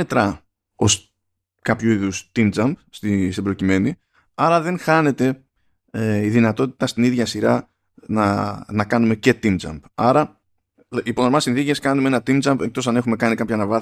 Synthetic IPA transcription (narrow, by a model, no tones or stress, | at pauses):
et̪ɾɐ | o̞s | kɐpçuiðust̪ind͡zɐmbst̪ist̪ibɾo̞cime̞ni | ɐɾɐðe̞ŋxɐne̞t̪e̞ | eiðinɐt̪o̞t̪i̥t̪ɐst̪iniðʝɐsiɾɐ | nɐnɐkɐnume̞ce̞t̪ind͡zɐ̰mbɐɾɐ | ipo̞ðoɾmɐsinθice̞skɐnumeenɐt̪ind͡zɐmbek̚t̪o̞sɐne̞xume̞kɐnikɐpçɐnɐvɐ